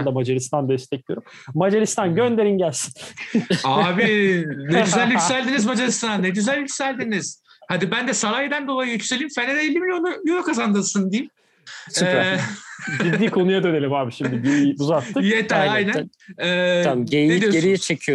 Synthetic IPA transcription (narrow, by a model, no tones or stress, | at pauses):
nd̪amad͡ʒaɾist̪and̪ɛst̪ʰɛc̚lʲijo̞ɾumː | ad͡ʒaɾist̪ʰanɟønd̪e̞ɾinɟælʲsi̥n | aːbineyzælʲjycssælʲd̪inizmad͡ʒaɾist̪anːeɟyzælʲjycʲsælʲd̪iniz̥ | had̪ibænd̪ɛsaɾajed̪ænbolˠajɯjycselʲimfened̪ɛːlʲːimilʲjonujoukʰazand̪ɯsɯnd̪ijim | ɛ | ɟiiːkʰo̞nujad̪ø̞ne̞lʲimaːbiʃimd̪iɟiɾijuzat̪ːɯkjet̪ʰɛɾajnæ | ɛːamɟej̪ed̪ijoeɾijɛt͡ʃʰecʰijo